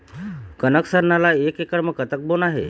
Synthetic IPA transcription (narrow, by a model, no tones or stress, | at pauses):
kənəksəɾnalaekekəɽməkət̪ək̚bonaɦḛ